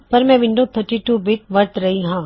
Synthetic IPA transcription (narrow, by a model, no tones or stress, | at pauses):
pɐɾmɛ̃ʋɪ̃ɳɖot̪ʰəɾʈiːʈuːbɪʈ̚ʋɐɾt̪ɾɐɦiɦãː